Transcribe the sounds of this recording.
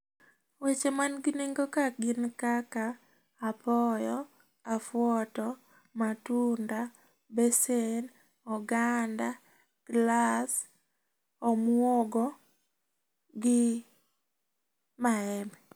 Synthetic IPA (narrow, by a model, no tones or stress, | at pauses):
wet͡ʃemanɡɪneŋɡokaɡɪnkakaː | pɔjɔ | afwɔtɔ | matunda | besen | ɔɡanda | ɡ̥las | ɔmwoɡɔ | ɡɪ | maɛmɛ